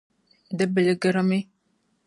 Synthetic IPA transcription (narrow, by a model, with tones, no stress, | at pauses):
d̪ɛ˦be˨le˦ɡɛ˦ɾɔ˦me˦